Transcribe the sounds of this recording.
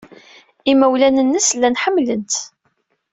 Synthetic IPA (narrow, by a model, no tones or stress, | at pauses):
iməwlænənːəslːænħəmːlənt̪